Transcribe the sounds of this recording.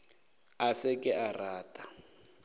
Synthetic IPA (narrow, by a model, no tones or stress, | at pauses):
asɪkʼɪʔaraːtʼa